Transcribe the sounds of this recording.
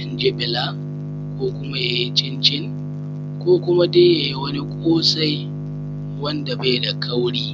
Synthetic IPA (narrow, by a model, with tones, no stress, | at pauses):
nd͡ʒe˦bɪ˨la˦ | kʷoː˦kʷʊ˦ma˦ja˨ji˦t͡ʃɪ˦nt͡ʃɪ˦ŋ | kʷoː˦kʷʊ˦ma˦deː˦ja˨ji˦wɐ˦ni˦kʷʼoː˦sa˦j | wɐ˦nda˨ba˦jda˨kʰɐ˦wɽiː˦